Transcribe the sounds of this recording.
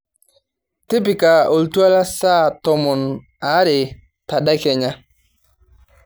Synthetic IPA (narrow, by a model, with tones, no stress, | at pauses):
tɪ˦p̬ɪ˨ka˨o˨ltu˦a˦la˦sa˦˨tɔ˨mʊ˨n | a˨˦ɾɪ˨ | ta˨da˦kɛ˨ɲa˦